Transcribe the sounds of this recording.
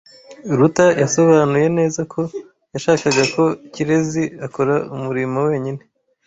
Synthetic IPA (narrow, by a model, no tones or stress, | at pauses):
ɾutajaso̞βaːnuje̞ne̞ːzakʰo̞ | jaʃaːkaɡako̞ciɾe̞ziako̞ɾaumuɾimowe̞ːɲine̞